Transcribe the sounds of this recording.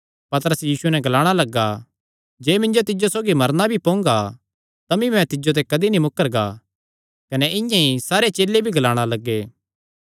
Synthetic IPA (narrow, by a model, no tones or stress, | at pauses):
pɐt̪əɾəsjiːsuenɛ̃ɡʱɐlaːɽ̃alɐɡːa | d͡ʒeːmɪ̃nd͡ʒot̪ɪd͡ʒosoːɡimɐɾnabʱipõːŋɡa | t̪ɐmĩmɛ̃t̪ɪd͡ʒot̪̬ɛkɐd̪inimʊkːəɾɡa̰ | kɐnɛʔɪ̃jãisaːɾet͡ʃeːlːebʱiɡʱɐlaːɽ̃alɐɡːeː